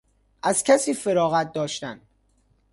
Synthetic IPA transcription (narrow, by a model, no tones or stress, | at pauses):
ʔæz̥cʰæsiːfeɾɒːɣæt̪̚d̪ɒːʃt̪æn